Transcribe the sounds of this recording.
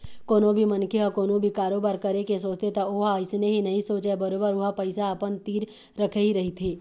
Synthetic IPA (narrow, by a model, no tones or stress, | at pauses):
koːnõbʱimɐnkʰeɔkoːnõbʱikaːɾoːbaːɾkɐɾekes̬oːt͡ʃt̪et̪ɐoːɦaɪsneɦinɐɦĩsoːt͡ʃebɐɾoːbəɾʊɦapɐɪsaːpənt̪iːɾ | ɾɐkʰeɦiɾɐɦit̪ʰeː